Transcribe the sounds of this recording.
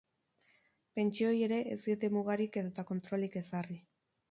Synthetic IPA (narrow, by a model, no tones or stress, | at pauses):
pe̞nt͡ʃio̞je̞ɾe̞ʔḛziet̪emuɣ̞aɾike̞ðo̞t̪ako̞nt̪ɾo̞like̞sari